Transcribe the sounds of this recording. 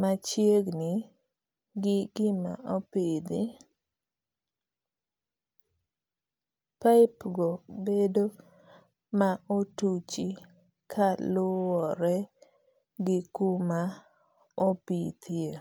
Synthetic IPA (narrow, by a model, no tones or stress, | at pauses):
mat͡ʃjeɡni | ɡɪɡɪma̰ʔopid̪i | paɪpɡɔbedo | maotut͡ʃi | kʰalʊwɔɾɛ | ɡɪkuma | opit̪ʰje